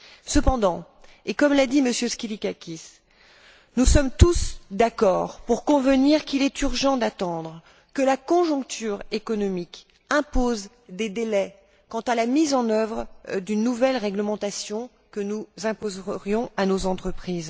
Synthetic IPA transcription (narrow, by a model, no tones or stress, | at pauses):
səpɑ̃d̪ɑ̃ | ekɔmlad̪iməsjøskʲilikakʲis | nusɔmt̪usd̪akɔʁpuʁkɔ̃vəniʁkilɛt̪yʁʒɑ̃d̪at̪ɑ̃d̪ʁ | kəlakɔ̃ʒɔ̃k̚t̪ʰyʁekɔnɔmik | ɛ̃poz | d̪ed̪elɛ | kɑ̃t̪alamizɑ̃nœvʁəd̪ynːuvɛlʁɛɡləmɑ̃t̪asjɔ̃ | kənuzɛ̃pozʁjɔ̃anozɑ̃t̪χəpχiz